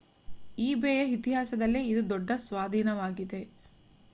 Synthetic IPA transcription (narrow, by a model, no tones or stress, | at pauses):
iːbeːjɐɦit̪iɦaːsɐd̪ɐlːeid̪ud̪ɔɖːɐsʋaːd̪ʱiːnɐʋaːɡid̪e̞